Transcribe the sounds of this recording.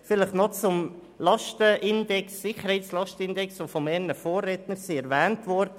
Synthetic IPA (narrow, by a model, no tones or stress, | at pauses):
fɪlɪχnɔt͡sʊm | lɑʃtəʔɪndɛksːɪχəɾhɛɪslɑʃtəɪndɛksʋofɔmɛɾnəfoːrːɛːt̪nəɾsiɛɾvɛːntʋɔɾdə